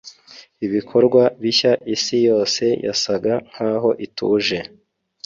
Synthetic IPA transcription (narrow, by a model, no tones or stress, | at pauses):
iβikʰo̞ɾɡwaβiçaʔisijo̞ːse̞jʔa̰saɡaŋ̥haːɦo̞ʔitʰṵːʒe̞